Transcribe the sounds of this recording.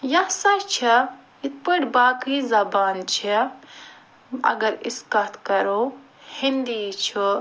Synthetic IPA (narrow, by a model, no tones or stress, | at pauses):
jɐsɐt͡ʃʰi | it̪̚pəʈbaːkizɐbaːnt͡ʃʰi | ɐ̰ɡɐɾiskɐt̪kɐɾo | hind̪it͡ʃʰi